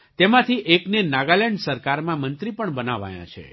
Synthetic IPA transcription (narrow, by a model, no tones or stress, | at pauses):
t̪emãt̪ʰiʔeknenaɡaleɳɖsəɾkaɾmãmənt̪ɾipəɳbənaʋa̰jã̰t͡ʃʰḛ